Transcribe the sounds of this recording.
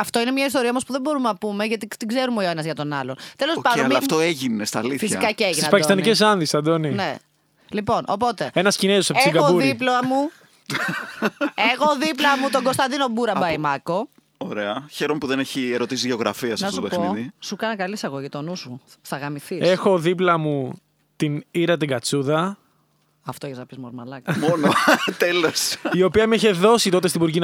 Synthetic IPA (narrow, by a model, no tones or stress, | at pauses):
ɐft̪o̞inemɲɐist̪o̞ɾiɐomospuðebo̞ɾumnɐpumeʝɐt̪it̪iɡze̞ɾumeoenɐzʝɐt̪o̞nɐ̰lont̪e̞lo̞spɐnd̪olmːft̪oeʝinest̪ɐliθfisikɐceeʝinsspɐcist̪ɐnicesɐnðist̪ɐd̪onine | lipo̞nopo̞t̪e̞enɐscinezosepseiɡɐouɾiploɐmu | exoðiploɐmut̪o̞ɡo̞st̪ɐnd̪ino̞buɾɐbɐimɐko̞ | oɾeɐçeɾomepuðeneçieɾo̞t̪isizʝeo̞ɣɾɐ̰fiɐsɐsoexniðisukɐnɐkɐlisɐɣoʝit̪o̞nusuθɐɣɐmiθisexo̞ðiplɐmu | t̪iniɾɐt̪iɡɐt͡suðɐ | ɐft̪oçznɐpizmoɾmɐlɐkmonot̪elosio̞piɐmeçeðo̞sit̪o̞t̪est̪ibuɾɣin